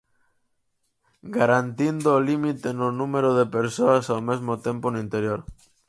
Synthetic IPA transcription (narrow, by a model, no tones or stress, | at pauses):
ɡaɾant̪ind̪oːlimit̪enʊnumeɾoðepeɾsoasaomezmot̪ẽmponoint̪eɾjoɾ